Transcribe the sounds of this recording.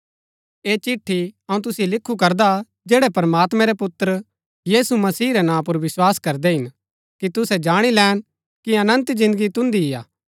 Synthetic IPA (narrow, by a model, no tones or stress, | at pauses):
eːt͡ʃɪʈʰːiɐũt̪̬ʊsijelɪkʰːukɐɾd̪a | d͡ʒeːɽɛpɐɾmaːt̪mɛ̃ɾɛpʊt̪ːɾə | jiːsumɐsiːɾɛnãːp̬ʊɾʋɪswaːskɐɾd̪ɛɦɪn | kit̪ʊsɛd͡ʒaːɽ̃ilɛːn | kiɐnə̃nt̪zɪ̃nd̪əɡit̪ʊ̃nd̪iɦɪja̰ː